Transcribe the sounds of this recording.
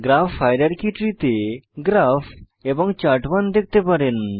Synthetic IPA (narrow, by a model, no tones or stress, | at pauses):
ɡɾafajɾaɾkiʈɾit̪eɡɾafʰ | ebɔŋt͡ɕaʈʋand̪ek̚ʰt̪epaɾen